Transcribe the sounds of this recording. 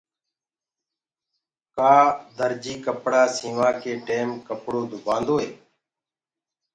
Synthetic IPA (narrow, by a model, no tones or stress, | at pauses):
kaːd̪əɾd͡ʒiːkəpɽaːsĩːʋaːkeːʈeːmkəpɽoːd̪ʱʊbʱãːnd̪oːɦeː